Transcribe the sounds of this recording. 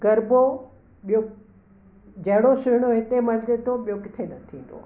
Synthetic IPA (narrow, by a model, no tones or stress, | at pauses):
ɡɐɾbo | ɓijo | d͡ʑɐɦɪɽosʊɦɪɽ̃oɦɪt̪emɐld͡ʑet̪ʰoɓijokɪt̪ʰenɐt̪ʰĩːn̆d̪o̰